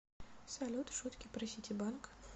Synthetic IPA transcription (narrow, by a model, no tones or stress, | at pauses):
sɐlʲut̪ʂut̪kʲɪpɾɐsʲitʲɪbank